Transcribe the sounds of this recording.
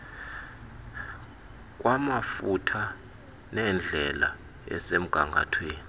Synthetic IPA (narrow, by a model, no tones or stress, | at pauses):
k̬ʼwamafutʰa | nɛnd͡ɮʱɛla̰ | ɛ̰sem̩ɡ̥ʱaŋɡʱa̰tʰweːni